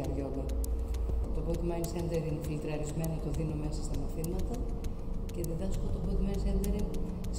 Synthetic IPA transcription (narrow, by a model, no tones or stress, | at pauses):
ɐɾʝolɐ | t̪opot̪imɐinisend̪eɾinfilt̪ɾɐɾizme̞not̪oðinome̞sɐst̪ɐnɐfinɐt̪ɐ | ce̞ðiðɐskot̪opot̪imɐinsend̪eɾi | s